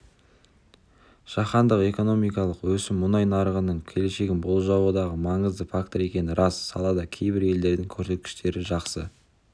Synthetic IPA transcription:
ʒ̥ɑχɑnd̪əqe̞ko̞no̞mijkɑlˠəqwɵsɪmːʊnɑjnɑɾəʁənəɴkʲʰe̞le̞ʃe̞ɡʲɪnbolˠʒɑwud̪ɑʁəmɑɴəzd̪əfak̚t̪oɾe̞kʲe̞nɪɾʔɑsːɑlˠɑd̪ɑkʲʰe̞jbɪɾe̞ld̪e̞ɾd̪ɪŋkʲʰɵɾse̞t̪̚kʲɪ̥ʃt̪e̞ɾɪʒɑqsə

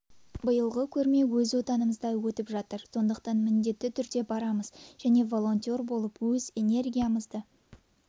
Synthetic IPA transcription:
bəjəlˠʁəkʲʰɵɾme̞wɵzwo̞t̪ɑnəməzd̪ɑwɵt̪ɪpʒɑt̪əɾso̞nd̪əqt̪ɑnmɪnd̪e̞t̪ːɪt̪ʰʏɾd̪e̞bɑɾɑməz̥ʒæne̞vo̞lˠo̞nt̪ʲo̞ɾbo̞lˠəpwɵze̞ne̞rɡʲijaməzd̪ə

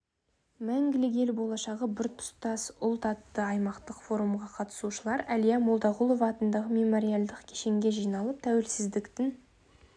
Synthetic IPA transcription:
mæŋɡʲɪlɪɡʲe̞lbo̞lˠɑʃɑʁəbɪɾt̪ʰʊ̥st̪ɑsʊlˠt̪ɑt̪ːəɑjmɑqt̪əqfo̞ɾumʁɑqʰɑt̪ə̥suʃəlˠɑɾælijamolˠd̪ɑʁulˠo̞vɑːt̪ənd̪ɑʁəmʲe̞mo̞ɾijalˠd̪əqkʲʰe̥ʃe̞ŋɡʲe̞ʒijnɑlˠəp̚t̪ʰæwelsɪzd̪ɪkt̪ɪn

